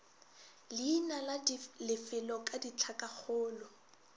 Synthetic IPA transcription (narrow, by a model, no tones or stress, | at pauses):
linalalɪfɪlɔkʼadit͡ɬʰakʼak͡xʰʊːlɔ